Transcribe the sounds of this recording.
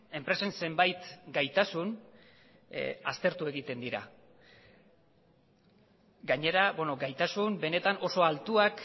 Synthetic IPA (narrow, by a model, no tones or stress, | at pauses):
e̞mpɾe̞se̞nse̞mbajt̪ɡajt̪asun | ast̪e̞ɾt̪ue̞ɣit̪e̞nd̪iɾa̰ | ɡaɲe̞ɾabweno̞ɡajt̪asumbe̞ne̞t̪ano̞so̞alt̪uak